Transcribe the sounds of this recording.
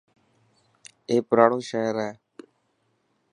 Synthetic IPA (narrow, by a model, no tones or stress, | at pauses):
eːpəɾaːɽõːʃaːɾɛː